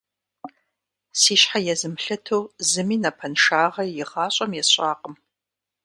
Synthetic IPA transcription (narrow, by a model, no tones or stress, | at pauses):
siːɕħajɛzɨmɬɐtʰowzɨmiːnɐpʰɐnʂaːʁɐjɪʁɑːɕʼɐmjɛɕʼaːqʼəm